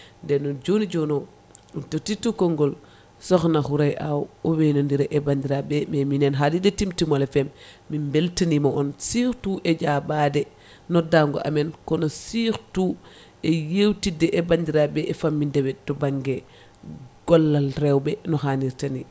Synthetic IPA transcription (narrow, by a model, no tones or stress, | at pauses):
ndɛnod͡ʒonid͡ʒono | utotitːukoŋɡɔl | sɔxnaxuɾajʔawowenondiɾɛʔebandiɾabɛmeminɛnɦalidetimtimolefɛmː | imbeltanimoʔɔnsixtuʔed͡ʒabadɛ | nɔdaŋɡo̰ʔa̰menkɔnosiɾtu | ejewtidɛʔebandiɾabɛːfamːindɛbɛtɔbaŋɡe | ɡ̥ɔlːalrewbɛnɔɦaniɾtani